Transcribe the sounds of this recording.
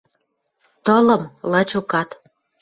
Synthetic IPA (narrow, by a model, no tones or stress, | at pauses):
t̪ɤlə̆mlɑt͡ɕukɑt̪